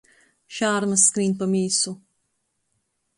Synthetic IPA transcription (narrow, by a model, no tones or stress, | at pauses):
ʃaːɾməskɾiːnpəmiːsu